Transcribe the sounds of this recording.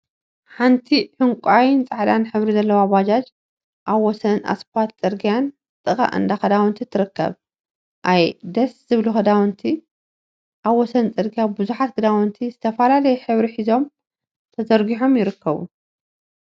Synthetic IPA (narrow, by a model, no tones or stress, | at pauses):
ħant̪ʰiħɨŋkʷʼajnt͡sʼaʕd̪anħɨβɾizɐlːɐwaβad͡ʒad͡ʒ | ʔaβwɔsɐnʔa̰spʰat̪t͡sʼɨɾɡijan | t̪ʼɨkʼa̰ʔɨ̰nd̪axɐd̪awnt̪ʰit̪ʰːɨɾɨkːɐ̰β | ʔajd̪ɐsz̥ɨβluxɨd̪awɨnt̪ʰi | ʔaβwɔsɐnt͡sʼɨɾɡijabɨzuħat̪ɡɨd̪awɨnt̪ʰizɨt̪ʰɐfɐlalɐjɛħɨβɾiħizo̞m | t̪ʰɐzɐɾɡiħo̞mjɪɾɨkʰːɐβṵ